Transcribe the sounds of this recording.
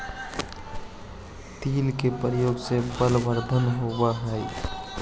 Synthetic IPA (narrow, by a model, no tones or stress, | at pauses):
t̪iːlkepəɾjoːɡsebəlʋəɾd̪ʱənɦobaɦɛi